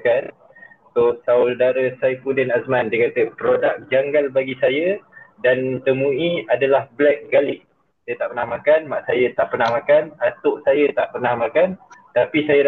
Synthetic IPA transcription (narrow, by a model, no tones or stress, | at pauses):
kan | sʊsaʊldaɾəsajfudɛnasmãndikat̪əpɾodak̚d͡ʒaŋɡalbaɡisajadant̪əmuiadalahblɛk̚ɡalɪʔ̚ | sajat̪aʔpərnahmakanmaʔsajat̪aʔpərnahmakanat̪ʊʔsajət̪aʔpərnahmakant̪apisajəɾ